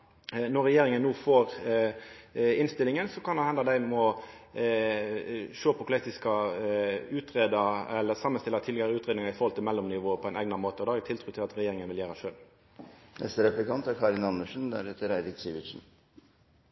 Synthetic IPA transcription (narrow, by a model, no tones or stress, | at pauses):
nɔɾʁɛjeːɾɪŋənːuːfoːɾ | ɪnst̪ɪlɪŋənsɔkʰɑnd̪ɑhɛnd̪ɑd̪æɪmɔ | ʃøːpʰɔkʰlɛt̪ɪskɑ | ʉːt̪ɾeːd̪ɑɛlːəsɑmːənst̪ɪlːət̪ʰɪlɛɡəɾəʉːt̪ɾeːd̪nɪŋɑɪfɔʁhɔlt̪ʰɪlmɛlːɔmnɪʋoːəpʰɔɛɪnʔæɡnɑmoːt̪əɔd̪ɛæːæɾɪt̪ʰɪlt̪ʰɾʉːt̪ʰɪlɑt̪ɾɛjeːɾɪŋənʋɪljæːɾəʂøːl | nʔɛ̰st̪əɾɛplɪkɑnt̪æɾkʰɑɾɪnɑnːəʂn̩d̪æ̰ɾɛt̪əɾæɪd̪ɪɡsiʋɪʃn̩